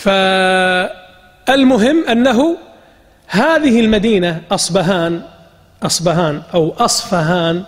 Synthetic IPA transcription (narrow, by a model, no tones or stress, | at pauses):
fa | ʔɪlmʊɦɪmːʔanːaɦʊ | haːðɪɦɪlmad̪iːnaʔɑsˤbaɦaːn | ʔɑsˤbaɦaːnʔawʔɑsˤfaɦaːn